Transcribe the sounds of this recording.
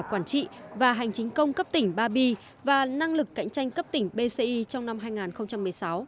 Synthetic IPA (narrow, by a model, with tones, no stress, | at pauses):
kwaː˧˩nt͡ɕḭ˧˨vaː˨˩ɦa˨˩jŋ̟t͡ɕï˨˦ŋ̟kə˧wŋ͡mkə˦˥p̚t̪ï˧˩ŋ̟ɓaː˧ɓi˧ | vaː˨˩na˧ŋlɨ˨˩k̚ːa̰˧˥jŋ̟t͡ɕa˧jŋ̟kə˦˥p̚t̪ï˧˩ŋ̟ɓe˧se˧ʔi˧t͡ɕɔ˧wŋ͡mna˧mɦaː˧jŋaː˨˩nxə˧wŋ͡mt͡ɕa˧mːɨ˨˩əjsa˨˦w